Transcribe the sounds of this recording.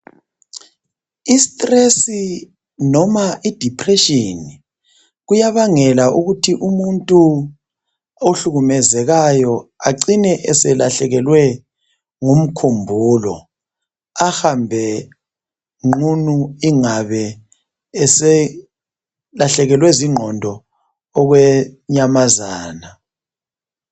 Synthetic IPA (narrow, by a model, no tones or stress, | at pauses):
istʼresi | nɔmaʔid̥ʱipʰrɛʃini | ɣujaβaŋɛlaʔuɣutʰiʔumuntʼu | oɬuɣumɛzɛɣajɔa̰ǀinɛʔɛsɛlaɬɛɣɛlwɛ | ŋum̩kʰumbʱuːlɔ̰ | axambʱɛ | ŋ͡ǃʱunuiŋaβɛ | laɬɛɣɛlwɛziŋ͡ǃʱɔndʱɔː | ɣwɛɲamazaːna